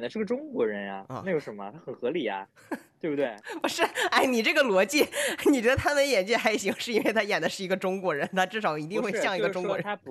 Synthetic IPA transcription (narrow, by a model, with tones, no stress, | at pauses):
nd̪ə˦ʂɻ̩ɤ˥˩ɡə˩ʈ͡ʂʊ˥ŋkwɔ˧˥ɻə˧˥na̰˧ɔ̰˧˩a˥˩jo˧˥ʊʂə˧˥mə˧t̪ʰa˥xə˨˩nxɤ˧˥li˨˩ɐ̰˦ | t̪we˥˩bu˩we˥˩ɪpu˧˥ʂɻ̩˥˩a˥˩ɪni˨˩ʈ͡ʂɤ˥˩ɡə˩lwɔ˧˥t͡ɕi˥˩ni˨˩t͡ɕɥɛ˧˥d̪ə˧t̪ʰa˥mə˧˦njɛ˨˩nt͡ɕɛ˥xa˧˥ɪɕi˧˥ŋʂɻ̩˥˩i˥nwe˥˩ɪt̪ʰa˥jɛ˨˩nd̪ə˦ʂɻ̩˥˩i˧˥ɡə˧ʈ͡ʂʊ˥ŋkwɔ˧˥ɻə˧˥nt̪ʰa˥ʈ͡ʂɻ̩˥˩ʂɑ˨˩ʊi˧˥t̪i˥˧ŋxwe˥˧ɕjɑ˥˩ŋi˧˥ɡə˧ʈ͡ʂʊ˥ŋkwɔ˧˥ə˧˥